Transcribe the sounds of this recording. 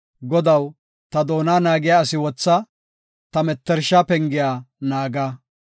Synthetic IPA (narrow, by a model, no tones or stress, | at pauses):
ɡɔd̪ɐw | t̪ɐd̪oːnaːnaːɡɪjaːɐsɪwɔt͡sːɐ | t̪ɐmɛt̪ːɛɾʃapɛŋɡɪjaːnaːɡaː